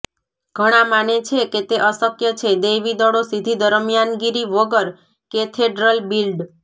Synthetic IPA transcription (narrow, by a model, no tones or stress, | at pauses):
ɡʱəɽ̃ãmanet͡ʃʰeket̪eʔəsəkjət͡ʃʰed̪ejʋid̪ɔɽosid̪ʱid̪əɾəmjanɡiɾiʋəɡəɾ | ket̪ʰeɖɾəlbilɖ